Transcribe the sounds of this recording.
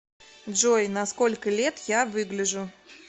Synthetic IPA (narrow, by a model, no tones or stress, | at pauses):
dʐɔjnɐskɔlʲkəlʲɛt̪javɨɡlʲɪʐu